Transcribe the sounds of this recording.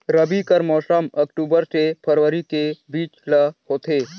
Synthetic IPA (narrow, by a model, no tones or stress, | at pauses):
ɾəbikəɾmɔːsəməkʈuːbəɾsepʰəɾʋəɾikebiːt͡ʃləhoːt̪ʰeː